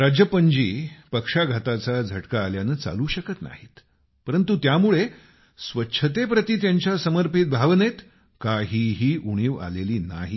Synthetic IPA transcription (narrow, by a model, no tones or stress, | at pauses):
ɾad͡ʑjəpəɲd͡ʑiːpəkʂaɡʱat̪at͡sad͡zʱəʈkaːljanəːt͡sa̰luːɕəkət̪na̰ɦiːt̪ | pəɾənt̪ut̪jamuɭe | sʋətːɕʰət̪epɾət̪iːt̪jaɲt͡ɕjasəməɾpit̪̚bʱaʋnet̪ | kaɦiːɦiːʔuɽ̃iːʋa̰leliːna̰ɦi